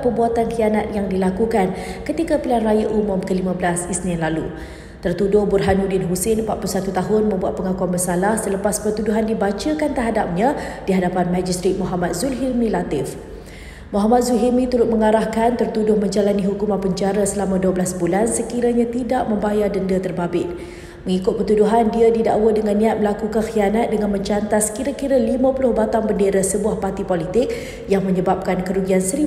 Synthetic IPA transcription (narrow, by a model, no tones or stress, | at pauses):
pəbuat̪ankianat̪̚jaŋdilakukankət̪ikapilanrajaʔumʊmkəlimãbəlasisnianlalu | t̪ərt̪udʊhburɦanudɪnɦusɪnmpat̪̚pulusat̪ut̪aɦʊnmə̃mbuat̪̚pəŋakuanbəsalahsələpaspərt̪uduɦandibat͡ʃakant̪ərɦadap̚ɲãdiɦadapanmad͡ʒist̪ɾit̪̚mɔɦamat̪̚zulɦilmĩlat̪ɪf | mɔɦamat̪̚zulɦimĩt̪ulʊt̪̚məŋaɾahkant̪ərt̪udʊhmə̃ɲd͡ʒalaniɦukumãnpəɲd͡ʒaɾasəlamãduablasbulansəkiɾaɲãt̪idaʔmə̃mbajadəndət̪ərbabɪt̪̚ | məŋikʊt̪̚pət̪uduɦandiadida̰ʔwədəŋanːĩat̪̚məlakukanxianat̪̚dəŋanmə̃ɲt͡ʃant̪askiɾakiɾəlimãpulʊhbat̪aŋbəndeɾasəbuahpart̪ipolit̪ɪk̚ | jaŋmə̃ɲə̃bap̚kankəɾuɡiansəɾi